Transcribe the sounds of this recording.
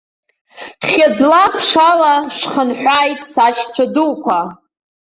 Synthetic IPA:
χʲad͡zlapʰʂalaʂχənħʷᶣaːjtʼsaʃt͡sʷʰaduwkʷʰa

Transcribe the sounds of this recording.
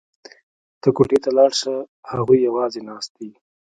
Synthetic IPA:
t̪əkoʈet̪alɑɽʃə | haɣujjawɑzenɑst̪̚i

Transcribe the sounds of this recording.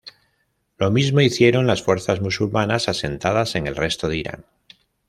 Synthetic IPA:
lo̞mizmo̞iθje̞ɾo̞nlasfwe̞ɾθazmusulmanasase̞nt̪að̞ase̞ŋe̞lre̞st̪oð̞eiɾa̰ŋ

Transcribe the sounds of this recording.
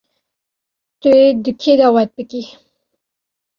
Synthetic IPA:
t̪ued̪ukʰed̪awat̪̚pəki

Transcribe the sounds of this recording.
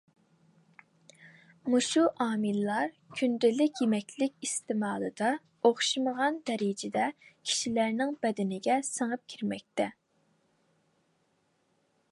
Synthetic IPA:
muʃuʔɑːmɨlːɑɾ | kʲʰynd̪ɪlɪkʲjemɛkʲlɪkʲist̪ɪmɑːlˠɨd̪ɑ | oχʃɨməʁɑnd̪̥ɛɾid͡ʒɪd̪ɛkʲʰi̥ʃilæɾnɪŋbɛd̪ɪnɪɡʲɛsəŋəp̚kʲʰiɾmɛk̚ʲt̪ɛ

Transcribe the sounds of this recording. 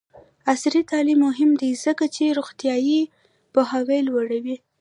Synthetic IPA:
asɾit̪ɑlimːʊɦɪmd̪iz̥əkat͡ʃeɾoɣt̪ijɑji | pʊɦɑwelwaɽawi

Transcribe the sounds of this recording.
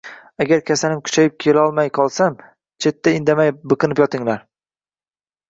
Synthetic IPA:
aɡʲaɾkʲʰasalɪmkʲʰʊ̥t͡ʃʰajɪp̚kʲʰelaɒlˠmajqʰɒlˠsam | t͡ʃʰe̞t̪ːaɪnd̪amajbɨqɨnɪpjɒt̪ɪŋlaɾ

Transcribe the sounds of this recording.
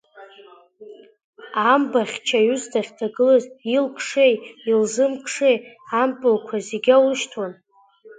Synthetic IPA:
ambaχʲt͡ʃʰajustʰaχʲtʰaɡɨlɨzilkʼʰʂejilzɨmkʰʼʂejampʼɨlkʷʰazeɡʲawɨʃtʰwan

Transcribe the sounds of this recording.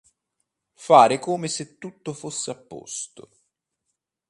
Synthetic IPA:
faːɾɪkoːmɪset̪ːut̪ːofosːeapːo̰st̪ʊ̰

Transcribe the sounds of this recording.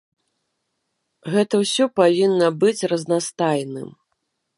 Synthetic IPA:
ɣɛt̪ɐwsʲɔpavʲinːɐbɨt͡sʲrɐznast̪ajnɨ̰m

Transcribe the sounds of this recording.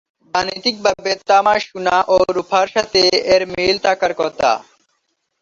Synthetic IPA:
banit̪ik̚bʱabet̪amaʃunaʔoɾupʰaɾʃat̪eeɾmilt̪ʰakaɾkɔt̪ʰa̰

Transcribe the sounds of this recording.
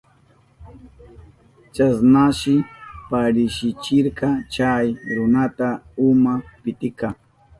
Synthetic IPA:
t͡ʃasnaʃɪpaɾɪʃɪt͡ʃɪɾkɑt͡ʃajɾʊnat̪aʊmapɪt̪ɪkɑŋ

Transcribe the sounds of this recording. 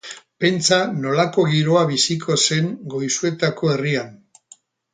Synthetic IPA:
pe̞nt͡sano̞lako̞ɣiɾo̞aβisikʰo̞se̞ŋɡo̞jsue̞t̪ako̞e̞rian

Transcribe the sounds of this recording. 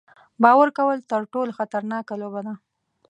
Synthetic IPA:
bɑwaɾkawəlt̪əɾʈoloxat̪aɾnɑkalobad̪a

